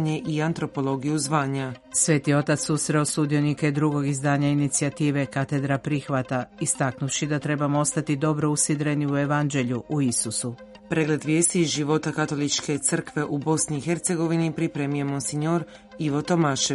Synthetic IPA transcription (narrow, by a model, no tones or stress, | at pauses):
ɲe̞ʔiant̪ɾo̞po̞lˠo̞ɡijuzʋaːɲasʋe̞ːt̪io̞t̪at̪susɾeosud̪ijo̞niked̪ɾuɡo̞ɡizd̪aːɲainit̪siat̪iːʋe̞kat̪e̞d̪ɾapɾixʋat̪aist̪aknufʃid̪at̪ɾe̞bamoost̪at̪id̪o̞bɾo̞usid̪ɾe̞niue̞ʋand͡ʒe̞ʎuʔuisusu | pɾe̞ːɡle̞d̪ʋje̞ːst̪iʒiʋo̞t̪akat̪o̞lit͡ʃke̞t̪sr̩kʋe̞ʔubo̞sniːxe̞ɾt̪se̞ɡo̞ʋinipɾipɾemije̞monsiɲoɾ | iʋo̞t̪o̞maːʃe